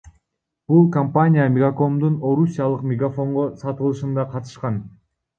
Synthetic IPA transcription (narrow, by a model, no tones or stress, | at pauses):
b̥ulˠkɐmpanʲijamʲɪɡako̞md̪uno̞ɾusʲːijalˠɯqmʲɪɡafo̞ɴʁosɑt̪ɯlˠɯʃɯnd̪ɑqʰɑt̪ɯ̥ʃqɑn